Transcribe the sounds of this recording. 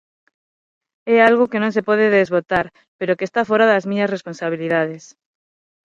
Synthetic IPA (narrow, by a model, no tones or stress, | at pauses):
ɛalɣokenõŋsepɔð̞eðezβot̪aɾ | peɾokeːst̪afoɾaðɐzmĩɲɐsresponsaβ̞iliðaðes